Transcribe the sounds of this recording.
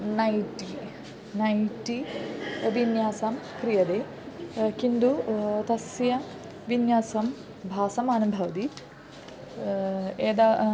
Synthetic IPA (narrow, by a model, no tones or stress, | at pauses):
nɐjʈi | nɐjʈːi | ʋʱinjaːsamkɾijɐd̪eː | kind̪ut̪ɐsjɐ | ʋinjaːsɐm | bʱaːsɐmaːnubʱɐʋɐd̪i | eːd̪a